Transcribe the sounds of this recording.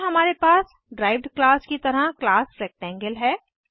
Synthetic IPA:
ɦɐmaːɾepaːs | ɖɾaːɪʋɖklaːskit̪ɐɾaklaːsfɾɛːk̚ʈɛ̃ːŋɡəlɦɛː

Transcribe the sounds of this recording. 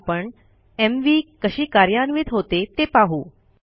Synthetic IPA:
pəɳ | emʋiːkəɕiːkaɾjanʋiːt̪ɦot̪et̪epaɦuː

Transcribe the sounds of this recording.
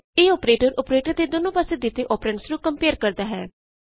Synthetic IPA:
eːɔːpɾeːʈəɾɔːpɾeːʈəɾd̪eːd̪oːnõːpaseːd̪ɪt̪eʔɔːpɾɛɳsɾũːkəmpeːɾkəɾd̪aːɦɛ̰ː

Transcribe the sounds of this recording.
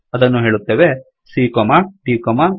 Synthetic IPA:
ɐd̪ɐnːuɦe̞ːɭut̪ːeːʋe | siːkomaʈiːkoma

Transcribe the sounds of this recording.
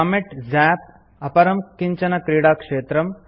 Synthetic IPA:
ameʈzæp̚ | ɐpɐɾɐmkiɲt͡ʃɐnɐkɾiːɽakʂeːt̪ɾɐm

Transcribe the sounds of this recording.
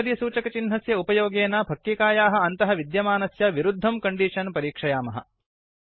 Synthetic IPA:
ɾjɐsuːt͡ʃɐkɐt͡ʃinɦɐsjɐupɐjoːɡeːnabʱɐk̪̚ːikaːjaːɦɐ̆ɐnt̪ɐɦɐʋid̪jɐmaːnɐsjɐʋiɾud̪ʱːɐmkɐɳɖiːʂɐnpɐɾiːkʂɐjaːmɐɦɐ̰̆

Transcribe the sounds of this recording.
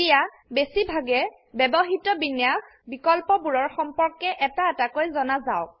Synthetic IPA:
ija | besibʱaɡɛ | bɛbɔɦitɔbinjax | bikɔlpɔbuɹɔɹxɔmpɔɹkɛʔɛtaɛtakojzɔnazaʊk̚

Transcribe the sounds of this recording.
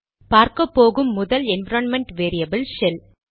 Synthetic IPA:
paːɾkɐpːoːɣɯmːʊðɐlɛnʋɐɾɐnmɛɳʈʋeːɾɪjɐbɐlʃɛl

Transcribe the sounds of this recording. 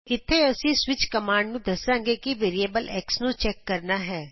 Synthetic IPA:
ɪt̪ʰːeɐsiswɪt͡ʃkɐmaːɳɖnũd̪ɐsãːŋɡekiʋeːɾieːbəlɛːksnũt͡ʃɛːkːɐɾnaɦɛː

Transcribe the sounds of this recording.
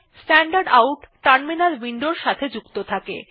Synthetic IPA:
sʈɛɳɖaɾɖawʈʈaɾnminalwiɳɖoɾʃat̪ʰed͡ʑukt̪ot̪ʰakḛ

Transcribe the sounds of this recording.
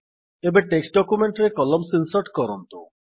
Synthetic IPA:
ebeʈeksʈ̚ɖɔkumeɳʈɾekɔlɔmsinsɔʈkɔɾɔnt̪u

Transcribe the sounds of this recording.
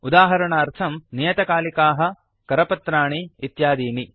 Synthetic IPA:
ud̪aːɦɐɾɐɳɐːɾt̪ʰɐmnijɐt̪ɐkaːlikaːɦɐ̆ | kɐɾɐpɐt̪ɾaːɳiːt̪jaːd̪iːni

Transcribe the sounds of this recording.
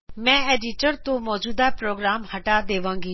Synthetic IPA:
mɛ̃ːeːɖɪʈəɾt̪õmɔːd͡ʑuːd̪apɾoːɡɾaːmhɐʈad̪eːʋãːŋɡiː

